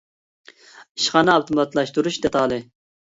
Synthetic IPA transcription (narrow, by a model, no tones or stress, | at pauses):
iʃχɑːnɨɑwt̪ʰumɑt̪ʰlˠɑʃt̪uɾuʃd̪ɛt̪ʰɑːlˠɪ